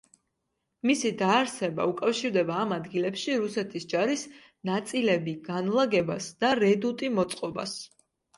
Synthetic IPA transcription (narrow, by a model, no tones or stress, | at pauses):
misid̪aːɾsɛba̰ukʼafʃiɾd̪ɛbaːmad̪ɡilɛpʃiɾusɛt̪ʰisd͡ʒaɾis | nat̪sʼilɛbiɡanlˠaɡɛbasd̪̥aɾɛd̪ut̪ʼimɔt̪sʼqʼɔba̰s